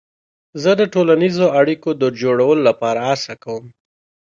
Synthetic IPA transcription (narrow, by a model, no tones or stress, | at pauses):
zəd̪əʈolanizoaɽikod̪əd͡ʒoɽawəlolapɑɾaasakawəm